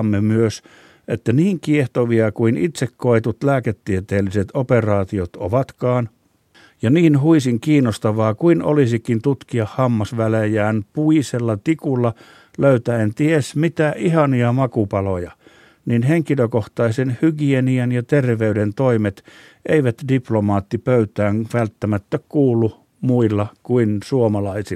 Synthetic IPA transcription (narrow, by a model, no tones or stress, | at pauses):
mːemyøs | ʔet̪ːæniːŋkieht̪oʋiɑkuinit̪sekːoet̪ut̪læːket̪ːiet̪eːliset̪operɑːt̪iot̪o̰ʋɑt̪kɑːn | jɑniːnhuisiŋkiːnːost̪ɑʋɑːkuino̰lisikːint̪ut̪kiɑhhɑmːɑsʋælejæːnpuiselːɑt̪ikulːɑ | løyt̪æent̪iesmit̪æʔihɑniɑmɑkupɑlojɑ | ninheŋkiløkoht̪ɑisenhyɡieniænjɑt̪erʋeydent̪oimet̪ | ʔeiʋæt̪diplomɑːt̪ːipøyt̪æːŋʋælt̪ːæmæt̪ːækuːlːu | muilːɑkuinsuomɑlɑisi